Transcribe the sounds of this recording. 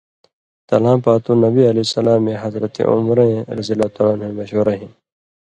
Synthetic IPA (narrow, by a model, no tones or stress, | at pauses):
t̪ɐlãːpaːt̪ũnɐbiɐlisɐlãːmẽɦɐzɾɐt̪ḛʔṵmɾẽɾɐzijɐlat̪aːlaːnhẽmɐɕoːɾɐɦĩn